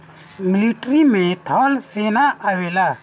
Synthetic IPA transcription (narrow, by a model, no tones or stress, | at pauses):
mɪliʈɾimẽt̪ʰɔlseːnaʔawela